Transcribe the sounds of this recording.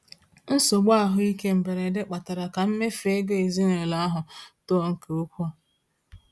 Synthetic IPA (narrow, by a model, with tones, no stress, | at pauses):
n̩˦sʊ˨ɡ͡ba˦a˨ɦʊ˦i˦ke˦m̩˨be˨ɾe˨dɪ˦k͡pa˨ta˨ɾa˨ka˨m̩˦me˦fe˦ɡe˦e˨zi˦ne˨la˨˦a˦ɦʊ˨to˦˨ŋ̩˨ke˨u˦kʷu˦a˨